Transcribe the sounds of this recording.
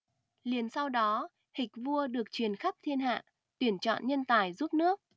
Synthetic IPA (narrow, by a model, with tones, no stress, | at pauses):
li˨˩ənsa˧wɗɔ˨˦ | hï˨˩k̟̚vu˧əɗɨ˨˩ək̚t͡ɕwi˨˩ənxa˦˥p̚t̪ʰi˧ənɦa̰ː˧˨ | t̪wi˧˩ənt͡ɕɔ̰˧˨nɲə˧nt̪aː˨˧˩jzu˦˥p̚nɨ˦˥ək̚